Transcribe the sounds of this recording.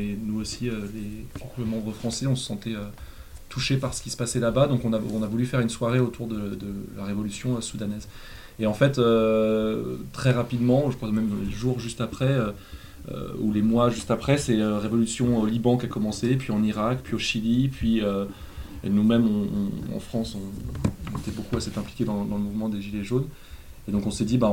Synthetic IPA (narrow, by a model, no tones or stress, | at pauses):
ɛnuosiølepɔkuvəmɑ̃bʁəfχɑ̃sɛɔ̃sə̥sɑ̃t̪ɛø | t̪ʰuʃepaʁsə̥kʲi̥sə̥pasɛlabad̪ɔ̃kɔ̃naɔ̃navulyfɛʁynswaʁeot̪uʁd̪əd̪əlaʁevɔlysjɔ̃øsud̪anɛz | eɑ̃fɛt̪ø | t̪χɛʁapid̪mɑ̃ʒəamɛm̃leʒuʁʒyst̪apχɛø | ø̰ṵlemwaʒyst̪apχɛsɛøʁevɔlysjɔ̃olibɑ̃kʲakɔmɑ̃sepɥiɑ̃niʁakpɥioʃilipɥiø | ḛnumɛmɔ̃ɑ̰̃fχɑ̃sɔ̃net̪ɛbokuasɛt̪ɛ̃plikʲed̪ɑ̃d̪ɑ̃ləmuvmɑ̃d̪eʒileʒon | ed̪ɔ̃kɔ̃sɛd̪iba